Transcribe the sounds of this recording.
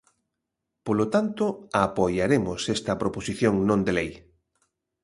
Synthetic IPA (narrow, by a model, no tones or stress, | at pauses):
polot̪ant̪oapojaɾemosest̪ɐpɾoposiθjõŋnõnd̪elej